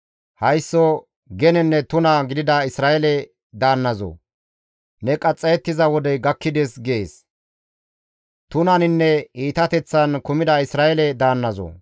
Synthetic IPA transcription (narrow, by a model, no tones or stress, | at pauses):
hɐjsːɔ | ɡɛnɛnːɛt̪ʊnɐɡɪd̪ɪd̪ɐɪsɾaːɛlɛ | d̪aːnːɐzo̰ | nɛkʼɐt͡sʼːɐjɛt̪ːɪzɐwɔd̪ɛɡɐkːɪd̪ɛsɡeːs | t̪ʊnɐnɪnːɛiːt̪ɐt̪ɛt͡sːɐnkʊmɪd̪ɐɪsɾaːɛlɛd̪aːnːɐzo̰